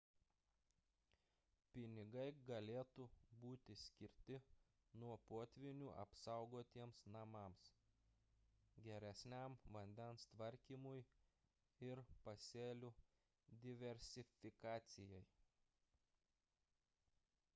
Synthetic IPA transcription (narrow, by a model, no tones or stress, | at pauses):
pʲɪnʲɪɡɐɪɡɐlʲeːt̪ubuːt̪ʲɪsʲkʲɪɾʲt̪ʲɪ | nuɔpoːt̪ʲʋʲɪnʲuːʔɐ̰psɑˑʊɡoːt̪ʲiɛmsnɐmɑms | ɡʲɛɾʲɛsʲnʲæˑmʋɐnʲd̪ʲɛnst̪ʋɐɾʲkʲiːmʊj | ɪɾpɐsʲeːlʲu | d̪ʲɪʋʲɛɾʲsʲɪfʲɪkɑːt̪sʲɪjɛj